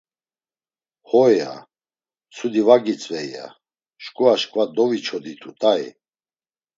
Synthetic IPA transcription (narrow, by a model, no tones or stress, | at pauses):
hɔɛa̰ | t͡sʰud̪ivaɡit͡sʼvɛjja̰ | ʃkʼuaʃkʼvad̪ɔvit͡ʃʰɔd̪it̪ʰut̪ʼaḭ